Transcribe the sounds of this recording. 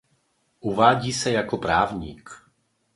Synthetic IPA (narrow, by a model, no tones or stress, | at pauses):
ʔuvaːɟiːsɛjakɔpɾaːvɲḭːk